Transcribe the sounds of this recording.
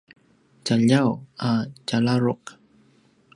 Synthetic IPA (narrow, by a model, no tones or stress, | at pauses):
t͡ʃaʎawat͡ʃalaɾʊq̚